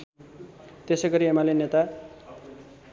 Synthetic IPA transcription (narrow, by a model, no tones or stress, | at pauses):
t̪esʌɡʌɾiemalenet̪a